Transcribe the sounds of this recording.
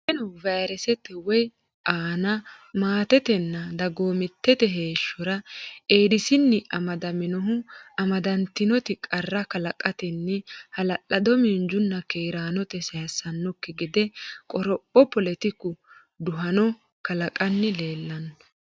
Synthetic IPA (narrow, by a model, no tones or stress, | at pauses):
ʔɛnɔvɐjɾɛsɛt̪ːɛwɔj | ʔaːnɐ | maːt̪ɛt̪ɛnːɐd̪ɐɡoːmɪt̪ːɛt̪ɛɦe̞ːʃːɔɾɐeːd̪ɪsɪnːɪʔɐmɐd̪ɐmɪnɔɦʊɐmɐd̪ɐnt̪ɪnɔt̪ɪkʼɐrːɐkɐlɐkʼɐt̪ɪnːɪhɐlɐʔːɐd̪ɔmɪnd͡ʒʊnːɐkeːɾaːnɔt̪ɛsɐjɐsɐnːɔkːɪɡɪd̪ɛkʼɔɾɔpʼːɔpɔlɛt̪ɪkːʊ | d̪ʊɦɐnɔ | kɐlɐkʼɐnːɪle̞ːlːɐn